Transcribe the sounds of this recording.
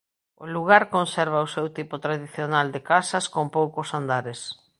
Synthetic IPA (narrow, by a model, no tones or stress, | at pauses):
ʊluɣ̞aɾkonsɛɾβaʊsewt̪ipʊt̪ɾaðiθjonald̪ɪkasɐskompowkʊsand̪aɾɪs